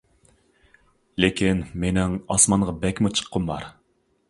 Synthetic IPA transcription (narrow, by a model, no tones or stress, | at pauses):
lekʲʰinmenɪŋɑsmɑɴʁɑbɛkʲmut͡ʃʰə̥qʰːʊmbɑ̰ɾ